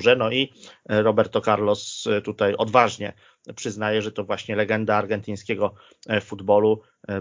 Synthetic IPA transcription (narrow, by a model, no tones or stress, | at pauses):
ʐɛnɔiɾɔbɛɾt̪ɔkaɾlɔst̪ut̪ajɔd̪vaʐɲɛ̰ | pʂɘznajɛʐɛt̪ɔvwaɕɲɛlɛɡɛnd̪aːɾɡɛnt̪ɘj̃skʲɛɡɔ | fud̪bɔlu